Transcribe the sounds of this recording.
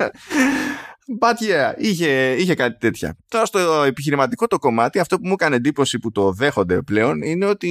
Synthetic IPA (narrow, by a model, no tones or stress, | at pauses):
bɐt̪çeɐiçe̞içe̞kɐt̪i̥t̪e̞t̪çɐ̰t̪o̞ɾɐst̪oepiçiɾimɐt̪iko̞t̪o̞ko̞mɐt̪iɐft̪o̞pumukɐne̞nd̪ipo̞siput̪o̞ðe̞xo̞nd̪e̞̰ple̞o̞nine̞o̞t̪i